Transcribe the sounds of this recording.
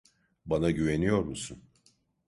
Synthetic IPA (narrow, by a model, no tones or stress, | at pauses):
banaɟyve̞nijo̞ɾmusun